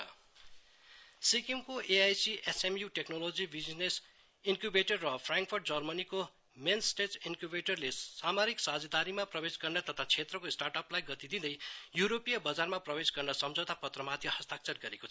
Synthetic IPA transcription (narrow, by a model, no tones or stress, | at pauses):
sikimkoʔeajsiʔesemjuʈeknolod͡zibid͡znes | inkjubeʈʌrːʌpʰraŋkpʰorʈ̚d͡zʌrmʌniko | mensʈeinkjubeʈʌrlesamaɾiksad͡zʌd̪aɾimaprʌbesɡʌrnʌt̪ʌt̪ʰat͡sʰet̪rʌkoisʈarʈʌplajɡʌt̪id̪id̪ʌjjuɾopijʌbʌd͡zarmaprʌbesɡʌrnʌsʌmd͡zʱʌwt̪apʌt̪rʌmad̪ʱjʌhʌst̪ak̚t͡sʌrɡʌɾekot͡sʰʌ